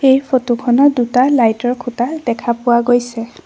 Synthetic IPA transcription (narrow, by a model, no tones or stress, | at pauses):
xejpʰotukʰɔnɔdutalajtɔɹkʰutadɛkʰapʊwaɡojsɛ